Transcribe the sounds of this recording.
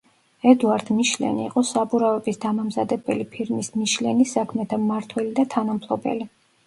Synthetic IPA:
ɛd̪uaɾd̪̥miʃlɛ̰niḭqʼɔsabuɾavɛbisd̪amamzad̪ɛbɛlipʰiɾmismiʃlɛnisakʰmɛt̪ʰamaɾt̪ʰwɛlid̪at̪ʰanampʰlˠɔbɛ̰li

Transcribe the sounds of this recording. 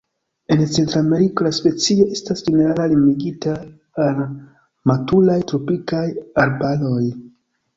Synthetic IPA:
e̞nt͡se̞ntɾame̞ɾiko̞laspe̞t͡sio̞e̞stasd͡ʒene̞ɾalalimiɡitaː | l | matulajtɾo̞pikajaɾbalo̞j

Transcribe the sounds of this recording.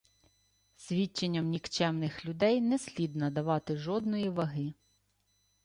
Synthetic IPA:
sʲʋʲit͡ʃːenʲːɐmnʲikt͡ʃɛmnɪxlʲʊd̪ɛjnɛsʲlʲid̪nɐd̪ɐʋɑt̪ɪʒɔd̪nɔjiʋɐɦɪ

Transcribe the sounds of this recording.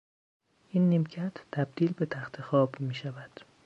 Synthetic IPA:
ʔiːnːimcʰæt̪ʰːæb̚d̪iːlbe̞t̪ʰæxt̪ʰexɒːbmiːʃævæd̪̥

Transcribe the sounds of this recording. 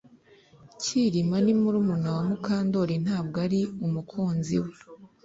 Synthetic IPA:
ciɾimanimuɾumunawamukaːndoɾin̥haːb̚ɡaɾiumukʰuːnzḭwe

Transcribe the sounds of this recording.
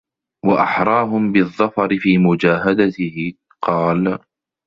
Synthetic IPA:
waʔaħɾˤɑːɦʊmbɪðˤːɑfɑɾɪfiːmʊd͡ʒaːɦad̪at̪ɪhɪ | qɑːl

